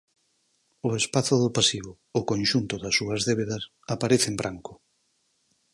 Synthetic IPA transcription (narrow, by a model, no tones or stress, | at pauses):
ʊespaθʊðʊpasiβʊːkõnʲʃunt̪ʊðɐsːuɐzðeβeðɐs | apaɾeθembɾʔaŋkʊ